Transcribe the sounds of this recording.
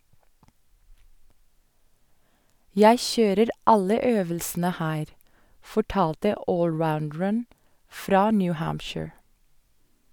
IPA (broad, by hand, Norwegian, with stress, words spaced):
ˈjæɪ ˈçøːɾəɾ ˈɑlə ˈøːʋəlsn̩ə ˈhæːɾ fɔˈʈɑːltə ˈoːlˌɹaʊndɹən ˈfɾɑː ˈnjʉ ˈhæːmpʃɪɹ